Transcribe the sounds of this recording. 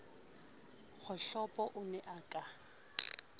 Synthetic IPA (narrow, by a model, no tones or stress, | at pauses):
ɣʰʊɬɔpʼɔʔʊnɛʔaːkʼa